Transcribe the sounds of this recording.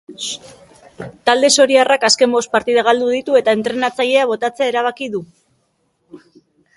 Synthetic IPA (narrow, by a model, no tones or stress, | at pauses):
t̪ald̪e̞so̞ɾiarakaske̞mbo̞st̪paɾt̪ið̞aɣ̞ald̪uð̞it̪ue̞t̪ae̞nt̪ɾe̞nat͡saʎe̞aβ̞o̞t̪at͡se̞aeɾaβ̞akiðu